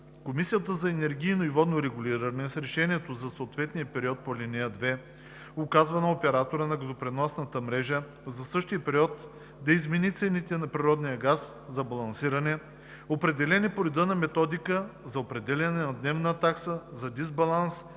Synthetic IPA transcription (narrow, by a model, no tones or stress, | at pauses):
komisijət̪əzɐɛnɛɾɡʲijnoivɔd̪noɾɛɡʊlʲiɾɐnɛsɾɛʃɛniɛt̪ozɐsoːt̪vɛt̪nijəpɛɾiɔt̪̚polʲinɛəd̪vɛ | okazvɐnɐopɛɾat̪oɾənɐɡɐzopɾɛnɔsnɐt̪əmɾɛʒə | zɐsɤʃt̪ijəpɛɾiɔt̪ | d̪ɐizmɛnit̪sɛnit̪ɛnɐpɾiɾɔd̪nijəɡas | zɐbɐlˠɐnsiɾɐnɛ | opɾɛd̪ɛlɛnipoɾɛd̪ənɐmɛt̪ɔd̪ikəzɐopɾɛd̪ɛlʲɐnɛnɐd̪nɛvnət̪aksəzɐd̪izbɐlˠans